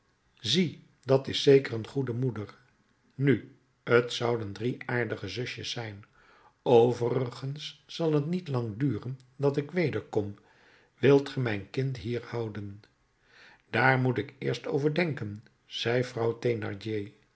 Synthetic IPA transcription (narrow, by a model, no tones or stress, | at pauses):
zi | dɑtɪsejkərənχudəmudəɹ | ny | ətsʌwdəndriaːɹdəχəzɵʃjəsːɛjn | owvərəχənsːɑlˠɦətnitlɑŋdyːrəndɑtɪkʋejdəɹkɔm | ʋɪlˠtχəmɛjnkɪntɦiːɹhʌwdən | d̥aːɹmutɪkɪːɹstowvəɹdɛŋkən | z̥ɛjvrʌwtejnɑ̰ɹdej